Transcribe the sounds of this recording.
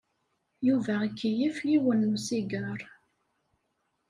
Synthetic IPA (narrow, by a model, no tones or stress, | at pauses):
juvækːijifliwənːusiɡəɾˤ